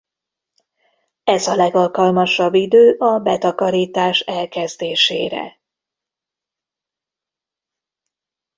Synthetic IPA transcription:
ɛzɒlɛɡɒlkɒlmɒʃɒbːid̪øːʔɒbɛt̪ɒkɒɾiːt̪aːʃɛlkɛzd̪eːʃḛːɾɛ̰

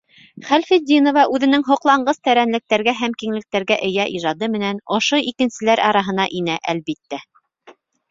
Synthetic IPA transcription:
χælfid̪ʲinŏvɑʔʉðɘ̆nɘŋɦŏqlˠɑɴɢɤst̪æɾænlɘ̆k̚t̪æɾɡæɦæmkiŋlɘ̆k̚t̪æɾɡæʔɘ̆jæʔiʒɑd̪ɤmɘ̆nænŏʃoʔikɘ̆nsɘ̆læɾʔɑɾɑɦɤ̆n̪ɑʔinæʔælβit̪ːæ

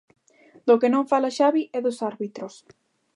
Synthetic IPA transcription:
d̪okenõɱfalaʃaβiʔɛðosaɾβit̪ɾos

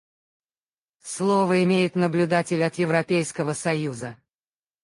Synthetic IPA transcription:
slˠovəɪmʲejɪt̪nəblʲʊd̪atʲɪlʲɐt̪jɪvɾɐpʲejskəvəsɐjuzə

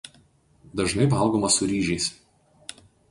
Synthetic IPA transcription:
d̪ɐʒnɐɪʋɐˑlˠɡomɐsʊɾʲiːʒʲɛɪs

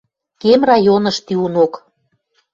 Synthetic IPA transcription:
kemrɑjonɤ̆ʃt̪iunok

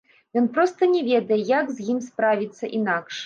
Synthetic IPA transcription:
jɔnpɾɔst̪ɐnʲɛvʲɛd̪ɐjɛjakzʲjimspɾavʲit̪sːɐʔinakʂ

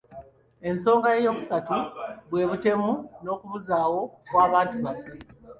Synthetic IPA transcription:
e̞nso̞ːŋɡaje̞jo̞ːβusatuβwe̞ːβute̞muno̞ːkuβuzaːwo̞kwaːβaːntuβafe

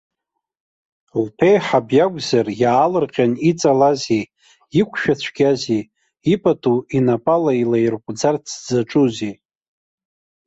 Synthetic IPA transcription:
lpʰejħabjaɡʷʼzarjaːlɨrqʲʼanit͡sʼalazi | ikʷʰʼʃᶣat͡ɕʷʰɡʲazi | ipʼatʰuinapʼalailairqʷʼd͡zart͡sʰd͡zaʈ͡ʂʼuzi

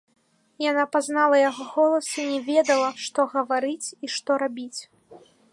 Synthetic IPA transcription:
janapaznalˠɐjaɣɔɣɔlˠɐsinʲɛvʲɛd̪ɐlˠɐʂt̪ɔɣɐvaɾɨt͡sʲiʂt̪ɔɾabʲit͡sʲ

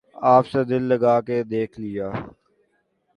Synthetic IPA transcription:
aːpsed̪ɪlːəɡaːked̪eːkʰlɪjaː

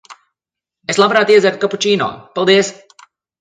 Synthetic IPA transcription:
eslˠapɾaːt̪iɛzʲɛɾt̪̚kaput͡ʃiːno̰ːpɑlˠd̪iəs

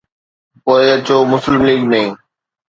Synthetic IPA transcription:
poːɪət͡ɕoːmʊslɪmliːɡnɐɦĩː

